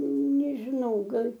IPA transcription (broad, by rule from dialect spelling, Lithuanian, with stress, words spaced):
nʲɛʒʲɪˈnɐʊ ˈɡɐlʲ